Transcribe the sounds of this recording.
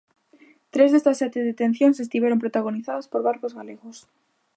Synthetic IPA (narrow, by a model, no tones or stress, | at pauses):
t̪ɾezðest̪ɐsːɛt̪eðet̪ẽn̟θjoŋsest̪iβjeɾompɾot̪aɣ̞oniθaðaspoɾβaɾkozɣaleɣʊs